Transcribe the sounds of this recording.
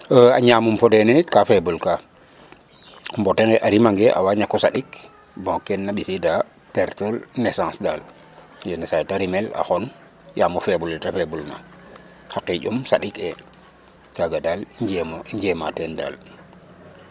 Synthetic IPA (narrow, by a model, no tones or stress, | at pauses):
əa̰ɲaːmumfodeninitkafebulka | mboteŋɡeʔaɾimaŋɡeʔa̰waːɲakːosaɗik | bõkːenːaɓisida | peɾtolnesãnsdal | jenesãtaɾimela̰xon | jaːmufebulɛtafebulna̰ | hakiɟumsaɗike | taɡadald͡ʒmɲd͡ʒematenda̰ːl